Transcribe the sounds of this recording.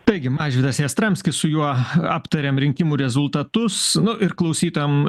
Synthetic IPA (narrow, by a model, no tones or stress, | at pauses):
t̪ɐɪɡʲɪmɑːʒʲʋʲɪd̪ɐseːst̪ɾɐmʲsʲkʲɪssʊjuɔɑːpt̪ɐɾʲeːmɾʲɪŋʲkʲɪmuːɾʲɛzʊlˠt̪ɐt̪ʊsnʊʔɪɾklˠɐʊsʲiːt̪ojom